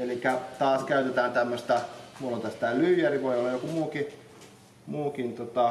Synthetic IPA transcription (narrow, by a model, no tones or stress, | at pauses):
elikːæt̪ɑːskæyt̪et̪æːnt̪æmːøst̪æmulːont̪æst̪ælyːjæriʋoiolːɑjokumuːki | muːkint̪ot̪ɑ